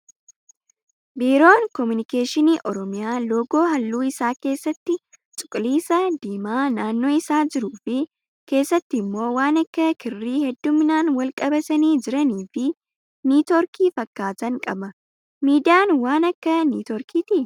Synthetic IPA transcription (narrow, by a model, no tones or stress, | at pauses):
biːɾo̞ːŋkɔmʊnɪke̞ːʃɪniːʔɔɾɔmɪjaːlo̞ːɡo̞ːɦɐlːuːɪsaːke̞ːsːɐt̪ːɪ | t͡ʃʼʊ̥kʼliːsɐd̪iːmaːnaːnːo̞ːɪsaːd͡ʒɪɾuːfɪ | ke̞ːsːɐt̪ːɪmːo̞ːwaːnɐkːɐkɪrːiːhɛd̪ːʊmɪnaːnwɐlkʼɐbɐt̪ɐniːd͡ʒɪɾɐniːfɪ | nuːt̪ɔɾkiːfɐkːaːt̪ɐŋkʼɐbɐ | miːd̪ɪjaːnwaːnɐkːɐnuːt̪ɔɾkʰiːt̪i